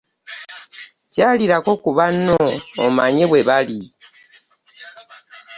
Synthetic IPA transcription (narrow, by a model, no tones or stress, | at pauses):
caːliɾako̞kuβano̰ːmaɲeβwe̞βali